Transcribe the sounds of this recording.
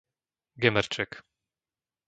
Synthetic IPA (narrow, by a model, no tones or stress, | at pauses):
ɡɛmɛɾt͡ʂɛk